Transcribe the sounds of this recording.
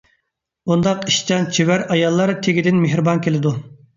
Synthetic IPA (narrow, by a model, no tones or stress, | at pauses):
und̪ɑqiʃt͡ʃɑnt͡ʃʰiwæɾɑjɑlˠːɑɾt̪ʰeɡʲid̪ɪnmeɦɾɨbɑnkʲʰelɪd̪u